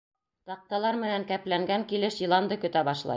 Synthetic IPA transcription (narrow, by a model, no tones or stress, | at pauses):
t̪ɑq̚t̪ɑlˠɑɾmɘ̆næŋkæplæŋɡæŋkilɘʃjɤ̆lˠɑnd̪ɤkɵ̆t̪æbɑʃlˠɑ̰j